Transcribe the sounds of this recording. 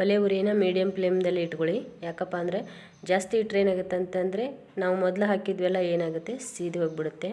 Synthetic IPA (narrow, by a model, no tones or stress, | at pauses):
bɐleʋuɾeːnɐmiːɽijɐmpleːmd̪ɐlːiːʈkoɭijaːkɐpːaːnd̪ɐɾe̞ | d͡ʒaːst̪iʈɾeːnaːɡut̪ːeɐnt̪ɐnd̪ɐɾe̞ | naːʋumɔd̪lɐɦaːkid̪ʋɛlːɐe̞ːnaːɡut̪ːe̞siːd̪iɦoːɡbiɽut̪ːe̞